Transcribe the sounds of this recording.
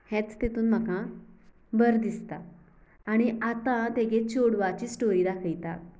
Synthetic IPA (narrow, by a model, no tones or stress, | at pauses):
hɛ̃t͡st̪et̪uːnm̤əkã | bəɾd̪ist̪aː | ɽ̃iʔat̪ãt̪eɡet͡ɕoɽʋat͡ɕiːsʈoɾiːd̪akʰəjt̪a̰t̪̚